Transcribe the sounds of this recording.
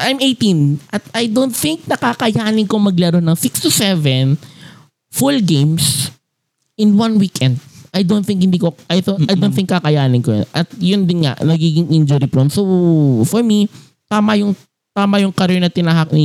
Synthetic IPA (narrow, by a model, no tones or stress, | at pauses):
ʔajmʔejt̪ĩnʔɐt̪̚ɐjd̪ont̪̚θɪŋk̚nɐkakɐjaːnɪnkomɐɡlɛɾonɐŋsɪkst̪usɛvɛn | fulɡẽjms | ʔɪ̃nwɐ̃nwikɛnd̪̚ʔɐjd̪ont̪θɪ̃ŋkhɪnd̪iːkoʔɐjθoʔɐjd̪onθɪ̃ŋkːakɐjaːnɪnkoj̰nʔɐt̪̚jʊnd̪ɪnŋa̰ʔnɐɡiːɡɪŋʔind͡ʒʊɾipɾonsowfɔɹmi | t̪aːmɐjʊŋ | t̪aːmɐjʊŋkɐɾɛɹnɐt̪ɪnaɦɐk̚nɪ